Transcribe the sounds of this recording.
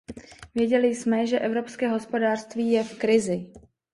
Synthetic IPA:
vjɛɟɛlɪjsmɛʒɛʔɛvɾo̞pskɛːɦo̞spo̞daːr̥st̪viːjɛfkɾɪzɪ

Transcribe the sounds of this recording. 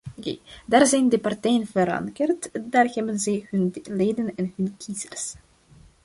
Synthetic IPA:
kḛdaːrzɛjndəpɑrtɛjənvəɾɑ̰ŋkərtdaːrhɛbənzɛjɦɵnleːdənɛnɦɵnkʰizərs

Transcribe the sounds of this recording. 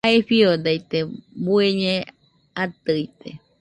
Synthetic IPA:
aeɸiod̪ajt̪ebueɲẽ | at̪ɨjt̪ḛ

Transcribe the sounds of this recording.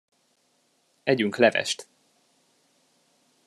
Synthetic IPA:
ɛɟyŋklɛvɛ̰ʃt̪

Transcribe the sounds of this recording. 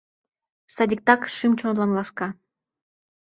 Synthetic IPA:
sɑd̪ʲik̚t̪ɑkʃɨmt͡ɕonlɑnlɑʃkɑ

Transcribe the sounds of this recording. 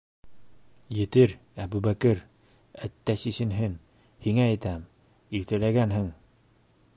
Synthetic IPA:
jɘ̆t̪ɘɾæbuβækɘɾ | æt̪ːæsisɘ̆nɦɘn | hiŋæːjt̪æm | ilt̪ɘ̆læɡænɦɘŋ

